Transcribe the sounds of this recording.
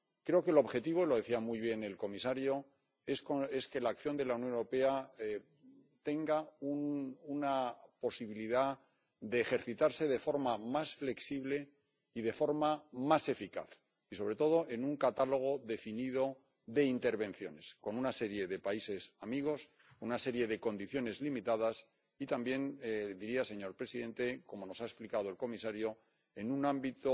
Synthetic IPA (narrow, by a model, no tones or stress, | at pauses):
kɾe̞o̞keloβxe̞t̪iβ̞oilo̞ð̞e̞θiamujβ̞je̞ne̞lko̞misaɾjo̞ | e̞ske̞ske̞laːkθjo̞nd̪e̞launjonewɾo̞pe̞ae | t̪e̞ŋɡaununapo̞siβiliða | d̪eːxe̞ɾθit̪aɾse̞ð̞e̞fo̞ɾmamasfle̞ksiβle̞ | iðe̞fo̞ɾmamase̞fika̰θ | iso̞β̞ɾe̞t̪o̞ðo̞ʔe̞nũŋkat̪alo̞ɣ̞o̞ðe̞finiðo | ðe̞int̪e̞ɾβẽ̞nθjo̞̰ne̞sko̞nunase̞ɾje̞ðe̞paise̞samiɣ̞o̞s | unase̞ɾje̞ðe̞kõ̞nd̪iθjo̞ne̞zlimit̪aðas | it̪ambje̞nd̪iɾiaseɲo̞ɾpɾe̞siðe̞nt̪e̞ko̞mo̞no̞saesplikaðo̞e̞lko̞misaɾjo̞ | e̞nũnãmbit̪o